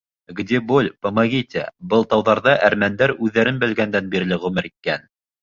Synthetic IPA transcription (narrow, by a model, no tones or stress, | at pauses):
ɡd̪ʲebolʲpomɑɣʲit̪ʲæ̰bɤlˠt̪ɑwðɑɾðɑʔæɾmænd̪æɾʉðːæɾɘnbɘ̆lɡænd̪ænbiɾ̆lɘʁɵmɘɾit̪̚kæn